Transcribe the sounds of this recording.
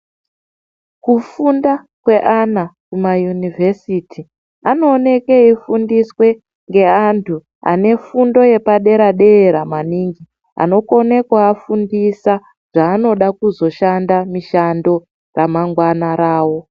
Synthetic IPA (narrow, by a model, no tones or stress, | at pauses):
kufunda | kwe̞ʔanakumajunivʱe̞sitʰi | ano̞ːne̞ke̞ifundiswe̞ | ŋɡe̞antʰu | a̰ne̞fundo̞je̞paɗe̞ɾaɗe̞ɾamaniːŋɡi | a̰no̞ko̞ne̞kwaːfundisa | ʐ̥aːno̞ɗakuzo̞ʃandamiʃando̞ | ramaŋɡwanaɾaːwo̞